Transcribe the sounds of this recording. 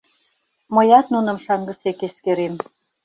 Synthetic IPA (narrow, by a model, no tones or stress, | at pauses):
mɤjɑt̪nunə̆mʃɑŋɡə̆sekeskeɾem